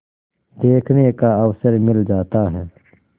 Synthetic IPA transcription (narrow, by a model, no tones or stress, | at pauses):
d̪eːkʰneːkaːəwsəɾmɪld͡ʒaːt̪aːɦɛː